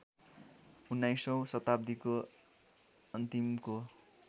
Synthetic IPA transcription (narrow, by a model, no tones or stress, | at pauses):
unːajsʌ̃w̃sʌt̪ab̚d̪iko | ʌnt̪imko